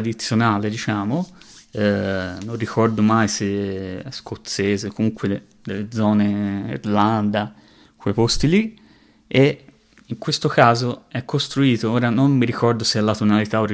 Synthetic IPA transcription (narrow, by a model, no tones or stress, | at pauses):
d̪it̪sːjonaːled̪it͡ʃaːmoɛnːonrikɔrd̪omajseɛskot̪sːeːzekomuŋkwed̪ | d̪elːed̪zɔːneḭɾland̪a | kʰwejpost̪ili | e | iŋkwest̪okaːzoɛkːost̪ɾuiːt̪ooːɾanommiɾikɔrd̪oseɛlːat̪onalit̪aori